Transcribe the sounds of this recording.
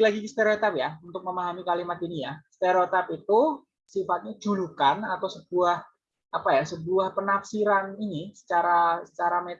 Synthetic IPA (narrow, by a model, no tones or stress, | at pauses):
laɡikist̪eɾot̪apjaunt̪ʊk̚məmaɦamikalimat̪inijast̪eɾot̪apit̪u | sifat̪̚ɲḁd͡ʒ̥ulukanat̪awsəb̥uah | apajasəbuahpənapsiɾaninisə̥t͡ʃaɾasə̥t͡ʃaɾame